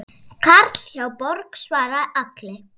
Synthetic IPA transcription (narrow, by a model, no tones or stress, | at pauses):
kʰaɾt̪l̥çawpɔɾksvaːɾaðaklɪ